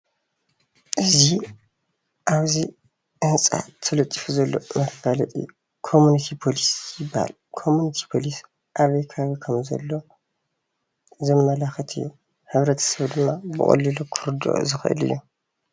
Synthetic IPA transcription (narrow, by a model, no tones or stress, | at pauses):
ʔɨzi | ʔaβzi | ʔɨnt͡sʼa̰t̪ʰɨlɐt̪ʼːifuzɐlːo̞̰mɐfɡalɐt̪ʼɨ̰jːu | kʰo̞munit̪ʰipʰo̞lisjɪbːaha̰l | kʰo̞munit̪ʰi̥pʰo̞lis | ʔaβɐjkʰɐaβikʰɐmzɐ̰lːo̞ | zɐmːɐlaxɐt̪ʰɨjːu | hɨβɾɐt̪ʰɐ̥sɐβd̪ɨmːabɨ̰χʼɐ̰lːilukʰɨɾd̪o̰ʔzɨxʔɨ̰lɨ̰jːu